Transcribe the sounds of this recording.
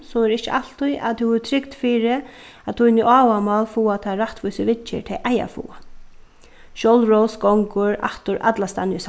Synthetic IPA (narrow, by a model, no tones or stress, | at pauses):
sɔmɛɾɪht͡ʃɪʔal̥t̪ʊja̰t̪ʰɪt̪ʰɾɪkt̪fiːɾɪ | at̪ʰujnɪʔaːwamalfuːat̪ʰaɾaht̪ʋujsɪʋɪt͡ʃːɪ̰ɹt̪ʰɛʔaja̰fṵːa | ʃɔwlɹɔwsɡɔŋkʊɹa̰ht̪ʊɾʔa̰t̪last̪anjɪs